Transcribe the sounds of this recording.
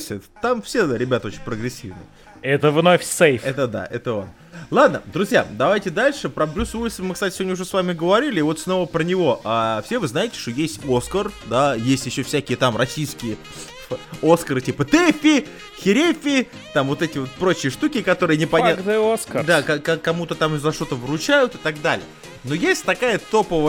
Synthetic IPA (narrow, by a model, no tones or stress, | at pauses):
sʲɛt̪t̪amfsʲe̞ɾʲɪbʲat̪əo̞t͡ɕɪnʲpɾəɡɾʲɪsʲːḭvnə̰j | ɛt̪əvnofʲsejfɛt̪əd̪a̰ʔɛt̪əon | lˠad̪nə̰d̪ɾʊzʲja̰d̪ɐvajtʲɪd̪alʲʂɨpɾɐblʲusuɪsəfmɨksatʲsɪvodʲnʲʊʐɛsvamʲɪɡəvɐɾʲilʲɪːvo̞t̪sno̞vəpɾənʲɪvo̞ʔafsʲevɨznajɪtʲɪ̥ʂt̪o̞jesʲtʲoskərd̪ajesʲtʲjɪɕːofsʲækʲɪjət̪amrɐsʲijskʲɪjə | o̞skəɾɨtʲipət̪ɛfʲɪ | xʲɪɾʲefʲɪ | t̪amvo̞t̪ɛtʲɪvo̞t̪̚pɾo̞t͡ɕɪjəʂt̪ukʲɪkɐt̪o̞ɾɨjənʲɪpɐnʲaoskəd̪akakakɐmut̪ət̪amzɐʂt̪o̞t̪əvɾʊt͡ɕæjʊt̪ɨ̥t̪ɐɡd̪alʲɪ̰ə | no̞jesʲtʲt̪ɐkajət̪o̞pəvə